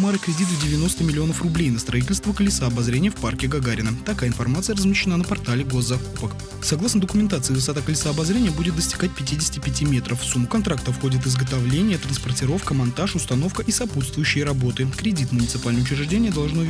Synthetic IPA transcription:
maɾɨkɾʲɪdʲit̪ɨvdʲɪvʲɪno̞st̪əmʲɪlʲɪo̞nəfrʊblʲejnəst̪ɾʔɐit̬ʲɪlʲst̪vəkəlʲɪsəːbɐzɾʲenʲɪjəfparkʲɪɡɐɡaɾʲɪnət̪ɐkajəɪnfɐrmat̪sɨjərəzmʲɪɕːɪnanəpɐrt̪alʲɪɡo̞zːɐkupək | sɐɡlˠasnəd̪əkʊmʲɪnt̪at̪sɨɪvɨsat̪əkəlʲɪsəːbɐzɾʲenʲɪjəbudʲɪt̪̚d̪əsʲtʲɪ̥ɡat̚ʲpʲɪtʲidʲɪsʲɪtʲɪpʲɪtʲimʲe̞t̪ɾʔəfːsumːʊkɐnt̪ɾak̚t̪əfxo̞dʲɪt̪ɪzɡət̪ɐvlʲenʲɪjət̪ɾənspərtʲɪɾo̞fkəmɐnt̪aʂʊst̪ɐno̞fkəʔisɐput̪st̪vʊjʉɕːɪjəɾɐbo̞t̪ɨkɾʲɪdʲit̪mʊnʲɪt̪sɨpalʲnəjʊt͡ɕɪɾʲɪʐdʲenʲɪjəd̪ɐlˠʐno

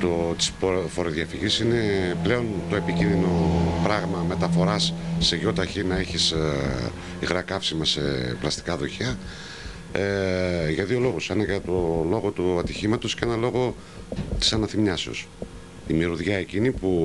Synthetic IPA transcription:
t̪ot̪i̥sfofo̞ɾoðiɐfiʝisine̞ple̞o̞nt̪o̞e̞picinðino̞pɾɐɣmɐme̞t̪ɐfo̞ɾɐsːe̞ʝo̞t̪ɐçinɐeçis | iɣɾɐkɐfsimɐse̞plɐst̪i̥kɐðo̞çɐ | eʝɐðio̞lo̞ɣuse̞nɐʝɐt̪o̞lo̞ɣo̞t̪uɐt̪içimɐt̪o̞sce̞nɐlo̞ɣo̞ | t̪i̥sɐnɐθimɲɐseo̞̰s | imiɾuðʝɐe̞cinipu

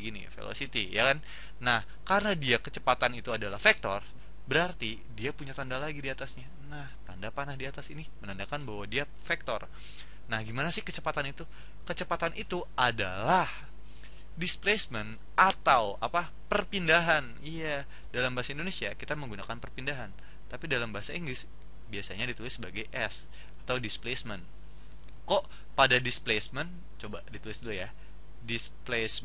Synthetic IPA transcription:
ɡinḭfḛlo̰sit̪ijakan | nah | kaɾənadiakət͡ʃəpat̪anit̪uadalahfɛk̚t̪ɔ̰r | bəɾart̪i | diapuɲat̪andalaɡidiat̪asɲa | naht̪andapanahdiat̪asinimənandakanbahwadia | fek̚t̪ɔ̰r | nahɡimanasɪhkət͡ʃəpat̪anit̪u | kət͡ʃəpat̪anʔit̪uʔada̰lah | displesmən | ʔat̪awapa | pərpindaɦan | ija | dalambaɦasaindonesiakit̪aməŋɡunakanpərpindaɦan | t̪apidalambaɦasaiŋɡlɪs | biasaɲadit̪ulɪsːəbaɡajʔɛs | at̪awdisplesmɛn | kɔʔ | padadisplesmɛn | t͡ʃobadit̪ulɪsduluja | disples

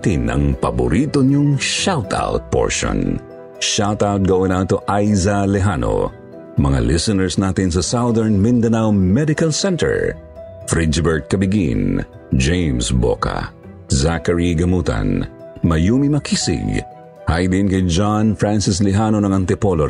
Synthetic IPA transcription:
t̪ɪnɐ̰ŋpɐbʊ̰ɾit̪oɲʊŋʃawt̪ʰa̰wt̪̚po̰ɹʃõ̰n | ʃawt̪awt̪̚ɡɐwɛ̃nawt̪oʔajzɐlɛɦano̰ | mɐŋa̰lisɐnɛɹsnat̪ɪnsɐsawðɛɹnmɪnd̪ɐnawmɛd̪ɪkɐlsɛnt̪ɛ̰ɹ | fɾid͡ʒɪbɛɹt̪̚kɐbɪɡḭn | d͡ʒejmsbo̰ka̰ | zakɐɹiɡɐmuːt̪ɐ̰n | mɐjuːmimɐkisɪ̰ɡ | hajd̪ɪnkɐjd͡ʒanfɹansɪslɛɦanonɐŋɐnt̪ɪpolo

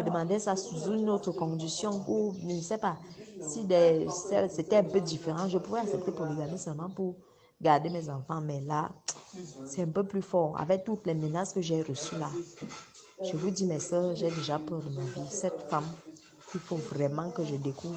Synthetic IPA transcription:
əd̪əmɑ̃d̪ɛsasuzuynot̪χəkɔ̃d̪isjɔ̃uʒənəsɛpasid̪ɛsɛset̪ɛɛ̃pød̪ifeʁɑ̃ʒəpuvɛaksɛp̚t̪epuʁleɡamɛ̃sɛlmɑ̃puʁ | ɡaʁd̪emɛzɑ̃fɑ̃mɛla̰ | sɛɛ̃pøplyfɔːʁa̰vɛk̚t̪ut̪lɛmənaskəʒeʁəsyla | ʒ̥əvud̪imɛsœːʁʒɛd̪eʒapœʁd̪əmavisɛt̪fam | kifovʁɛmɑ̃kəʒəd̪ekuvʁ

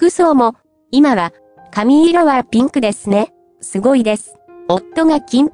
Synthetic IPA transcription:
kɯ̟so̞ːmo̞ | imaβa | kamʲiːɾoβapʲĩŋkɯ̟d̪e̞sɨne̞ | sɨɡo̞id̪e̞sɨ̥ | ot̪ːo̞ɡakʲĩmp

